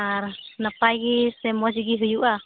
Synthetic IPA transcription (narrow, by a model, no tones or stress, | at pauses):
aɾnapajɡisɛmɔd͡ʒɡiɦujuʔa